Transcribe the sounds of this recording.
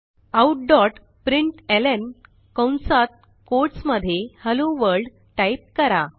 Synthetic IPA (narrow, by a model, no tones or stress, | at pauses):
auʈ̚ɖɔʈ | pɾiɳʈelən | kə̃wnsat̪̚ | koɾʈsməd̪ʱːjehəluʋəɾɭɖ | ʈajp̚kəɾa